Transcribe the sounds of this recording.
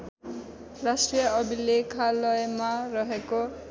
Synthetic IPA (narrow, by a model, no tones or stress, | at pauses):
rasʈrijʌʌbilekʰalʌjmarʌɦeko